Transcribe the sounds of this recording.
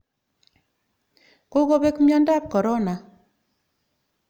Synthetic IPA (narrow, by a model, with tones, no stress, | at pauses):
ko˦ɡo˦be˦kmjɔ˦nda˦p̚kɔ˨ɾɔ˦na˨